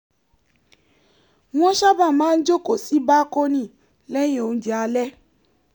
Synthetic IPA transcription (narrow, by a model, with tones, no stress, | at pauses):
w̃ɔ̃˦ʃa˦ba˦˨mãː˨˦n̩˦d͡ʒo˦ko˨si˨˦ba˦ko˦nĩ˦˨ | lɛ˦j̃ẽ˦˨o˧n̩˦d͡ʒi˨a˧lɛ˦